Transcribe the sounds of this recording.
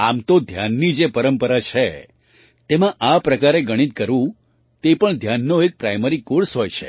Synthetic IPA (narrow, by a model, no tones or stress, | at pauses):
amt̪od̪ʱjanːid͡ʒepəɾəmpəɾat͡ʃʰe | t̪emãʔapɾəkaɾeɡəɽ̃it̪̚kəɾʋũ | t̪epəɳd̪ʱjanːoek̚pɾajmeɾikoɾsɦojt͡ʃʰḛ